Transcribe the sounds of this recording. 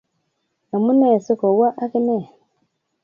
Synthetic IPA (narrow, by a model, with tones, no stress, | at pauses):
no˨mu˦ne˦˨su˦ko˨wa˦ʔa˦ki˦ne˦˨